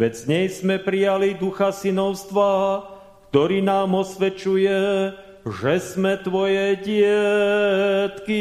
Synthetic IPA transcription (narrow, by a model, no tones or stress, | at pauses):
ʋɛzɲɛjzmɛpɾijalid̪uxasinɔʊst̪ʋa | kt̪ɔɾiːnaːmɔsʋɛt͡ʃujɛ | ʒɛzmɛt̪ʋɔjɛɟɪɛ | t̪ki